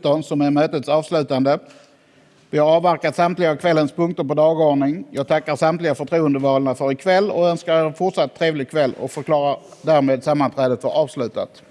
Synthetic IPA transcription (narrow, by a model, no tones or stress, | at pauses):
t̪ɔnsɔmɛɾmøːt̪ət̪sɑːvslʉ̟ːt̪and̪ə | vɪhaɾɑːvːæɾkat̪samt̪lɪɡakʰvɛlːənspʰɵŋkt̪əɾpɔd̪ɑːɡoːɳɪŋjɑːɡ̚t̪ʰakːaɾsamt̪lɪɡafœʈʰɾuːənd̪əvɑːlnafœɾɪkʰvɛlːɔ̰œnskaɾfʊʈʂat̪ʰːɾeːvlɪɡ̚kʰvɛlːɔ̰kfœɾkʰlɑːɾaɾ | ɖ̪æɾmeːd̪samːant̪ʰɾɛːd̪ət̪vɑɾɑːvslʉ̟ːt̪a̰t̪